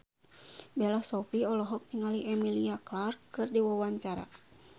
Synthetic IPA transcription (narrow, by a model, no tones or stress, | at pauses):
bɛlahsɔpiɔlɔɦɔk̚niŋaliʔɛmiliaklarkːɨrdiwawaɲt͡ʃaɾa̰